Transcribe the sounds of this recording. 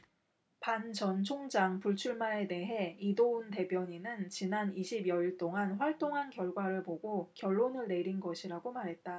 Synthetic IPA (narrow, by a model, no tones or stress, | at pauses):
pant͡ɕʌnt͡ɕʰoŋd͡ʑaŋpuɭt͡ɕʰuɭmae̞de̞ɦe̞idounte̞bjʌɲinɯnt͡ɕinaniɕʰibjʌiɭt͈oŋanɸwaɭt͈oŋɦankjʌɭɡwaɾɯɭpoɡokjʌɭːonɯɭne̞ɾinɡʌɕʰiɾaɡomaɾɦe̞t̚t͈a